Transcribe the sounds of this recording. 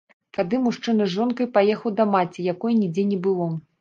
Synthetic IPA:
t̪ad̪ɨmuʂt͡ʂɨnɐʐɔnkɐjpajɛxɐwd̪ɐmat͡sʲijakɔjnʲid͡zʲenʲɛbɨlˠɔ

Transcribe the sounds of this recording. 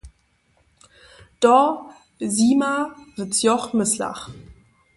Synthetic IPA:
d̥ɔ | ziːmavɪt͡sjɔχmɪsla̰χ

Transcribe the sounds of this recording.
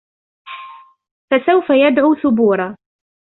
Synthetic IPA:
fasawfajad̪ʕuːθʊbuːɾˤa

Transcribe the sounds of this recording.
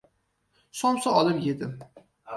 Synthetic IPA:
sɒmsaɒlˠɨpjed̪ɪm

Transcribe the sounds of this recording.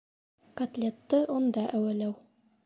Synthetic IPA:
kɐt̪lʲet̪ːɤʔond̪ɑʔæwælæw

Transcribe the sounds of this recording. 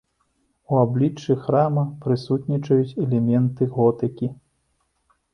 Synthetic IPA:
uablʲit͡ʂːɨxɾamɐpɾɨsut̪nʲit͡ʂɐjut͡sʲɛlʲɛmʲɛnt̪ɨɣɔt̪ɨkʲi

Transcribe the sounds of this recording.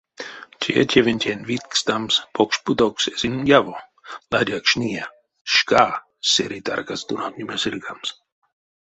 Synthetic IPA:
tʲʰiɛ̰tʲʰevʲenʲt̪ʲenvit̪̚kst̪amspʰokʃpud̪oksesinjavo | lad̪ʲakʃnʲiɛ | ʃkaː | seɾit̪a̰rkast̪unamnʲimesɨlkams

